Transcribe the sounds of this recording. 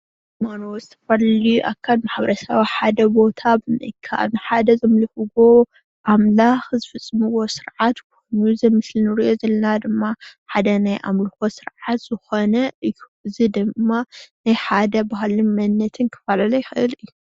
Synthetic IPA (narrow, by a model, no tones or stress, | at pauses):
manozɨt̪ʰɐ̥fɐlɐlijuʔa̰kʰːɐlmaħβɐɾɐsɐβiħad̪ɐbo̞t̪ʰabɨnɐ̰kʰːaʔa̰βnɨħad̪ɐzɐmlɐhɨɡo | ʔamlaxzɨfɨt͡sʼːɨmɨwo̞sɨɾʕat̪k̚ʰojnuzɐmɨslinɨɾiʔo̞zɐlɐnad̪ɨmːaħad̪ɐnajʔa̰mlɐxo̞sɨɾʕat̪z̥ɨxonɐɨuzɨd̪ɨmːanajħad̪ɐbaɦlɨnmɐnːɐt̪ʰɨnkʰɐ̥falɐlɐjɪxɨʔɨlɨjːu